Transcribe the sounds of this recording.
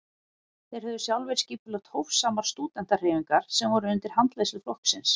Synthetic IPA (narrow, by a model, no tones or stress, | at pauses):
θejɾhœðʏsjawlvɛjɾ̥sciːpʏlœxt̪howfsːaːmaɾ̥st̪uːt̪ɛnt̪arɪːviŋkaɾ̥sɛmvɔɾʏʏnt̪ɪɾ̥hant̪leːsɪflɔhksɪns